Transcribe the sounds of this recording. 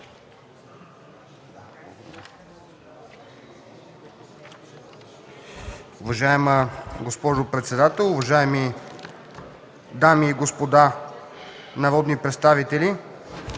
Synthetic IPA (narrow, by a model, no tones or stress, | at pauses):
ʊvɐʒaɛməɡospɔʒopɾɛt̪sɛd̪at̪ɛlˠʊvɐʒaɛmi | d̪amiːɡospod̪a | nɐɾɔd̪nipɾɛt̪st̪avit̪ɛli